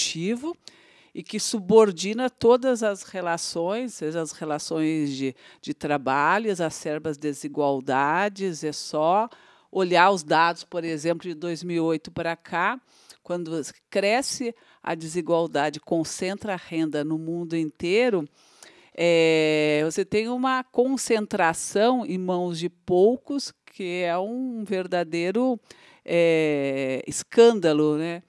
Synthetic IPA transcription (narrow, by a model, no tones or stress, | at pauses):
t͡ʃivʊ | ɪkɪsuboɾd͡ʒĩnɐt̪od̪ɐzɐshelasõj̃seʒɐshelasõj̃zd͡ʒɪd͡ʒɪt̪ɾabaʎʊzɐsɛɾbɐzd̪eziɡwawd̪ad͡ʒɪzɛsɔ | oʎaʊzd̪ad̪ʊspoɾezẽmplʊd͡ʒɪd̪ojzmiwiojt̪ʊpɾakʰa | kwɐ̃nd̪ʊkɾɛsɪ | ɐ̰d͡ʒɪziɡwawd̪ad͡ʒɪkõsẽnt̪ɾɐhẽnd̪ɐnʊmũnd̪ʊẽnt̪eɾʊ | ɛvoset̪ẽj̃ũmɐkõsẽnt̪ɾasɐ̃w̃ɪ̃mɐ̃w̃zd͡ʒɪpowkʊskʰɪɛũveɾd̪ad̪ejɾʊ | ɛ | ɪskɐ̃nd̪ɐlʊnɛ